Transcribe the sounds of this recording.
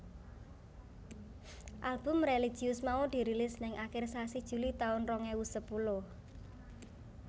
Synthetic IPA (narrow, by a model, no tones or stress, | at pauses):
ʔalb̥ʊ̤mrelid̥ʒ̥iʊsmaud̪̥i̤ɾilɪsnɪŋʔakɪrsasid̥ʒ̥ṳlit̪aʊnrɔŋewusəpulʊh